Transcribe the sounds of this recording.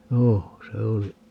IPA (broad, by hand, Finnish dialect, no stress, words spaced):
joː se oli